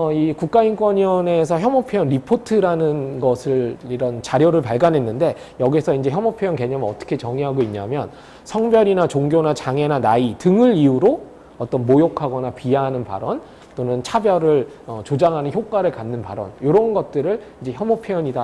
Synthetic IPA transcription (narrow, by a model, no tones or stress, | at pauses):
ʌikuk̚k͈aink͈wʌɲʌne̞s̬ʰʌçjʌmopʰejʌnɾipʰotʰɯɾanɯnɡʌsʰɯɭiɾʌnt͡ɕaɾjoɾɯɭpaɭɡanɦe̞nːɯnde̞ | jʌɡisʰʌind͡ʑe̞çjʌmopʰjojʌnke̞ɲʌmɯʌt͈ʌ̥kʰe̞t͡ɕʌŋiɦaɡoiɲːa̰mjʌn | sʰʌŋbjʌɾinat͡ɕoŋɡjonat͡ɕaŋe̞nanaitɯŋɯɭiuɾo | ʌt͈ʌnmojokʰaɡʌnapianɯnpa̰ɾʌn | t͈onɯnt͡ɕʰabjʌɾɯɭʌt͡ɕod͡ʑaŋɦanɯnçjok͈aɾɯɭkanːɯnpa̰ɾʌ̰njoɾʌunɡʌt̚t͈ɯɾɯɭind͡ʑe̞çjʌmopʰjejʌɲida